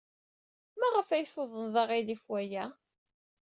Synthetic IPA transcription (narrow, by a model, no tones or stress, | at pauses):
mæʁəfæjsˤəðˤənðˤɑʁiðifwæjæ